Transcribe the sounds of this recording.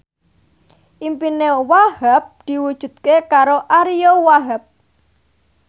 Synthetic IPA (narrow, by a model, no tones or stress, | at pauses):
ʔimpinewahap̚d̪̥i̤wud̥ʒ̥ṳd̪̚kekaɾoʔaɾijowaɦəp̚